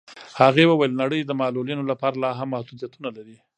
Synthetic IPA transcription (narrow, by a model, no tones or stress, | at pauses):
haɣewəwajəlnaɽəjd̪əmɑlulinolapɑɾalɑɦamːahd̪ud̪ijat̪unalaɾi